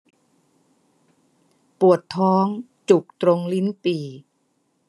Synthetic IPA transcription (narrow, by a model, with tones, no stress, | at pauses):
pu˨˩ət̪ʰːɔː˦˥ŋ | t͡ɕu˨˩k̚t̪ɾo˧ŋli˦˥npiː˨˩